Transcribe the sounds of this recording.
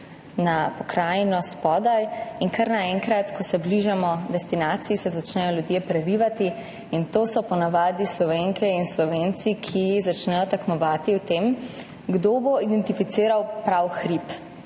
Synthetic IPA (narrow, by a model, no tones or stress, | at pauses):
napɔkɾajnɔspɔd̪ajinkaɾnaɛŋkɾat̪kɔsɛbliʒamɔd̪ɛst̪inaːt̪siisɛzat͡ʃnɛjɔljud̪jepɾɛɾiʋat̪i | int̪oːsɔpɔnaʋaːd̪islɔʋeŋkʰɛinslɔʋent̪sikʰijizat͡ʃnɛjɔt̪akmɔʋaːt̪iwt̪em | ɡd̪oboid̪ɛnt̪ifit̪seːɾawpɾawxɾip